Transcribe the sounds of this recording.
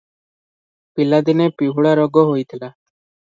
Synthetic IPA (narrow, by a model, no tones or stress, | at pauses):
pilad̪inepiɦuɽaɾɔɡɔɦoit̪ʰilaː